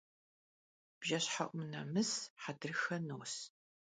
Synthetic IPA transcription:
b̥ʒɐɕħaʔʷʊmnɐmɨsħadɨrɨxɐnuːs

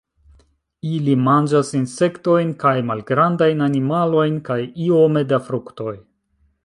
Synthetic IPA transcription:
ilimand͡ʒasinse̞kto̞jnkajmalɡɾandajnanimalo̞jnkajiome̞dafɾukto̞j

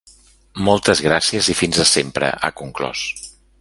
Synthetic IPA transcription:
mɔlˠt̪əzɣ̞ɾasiəzifinzəsempɾə̰ʔə̰kuŋklɔ̰s

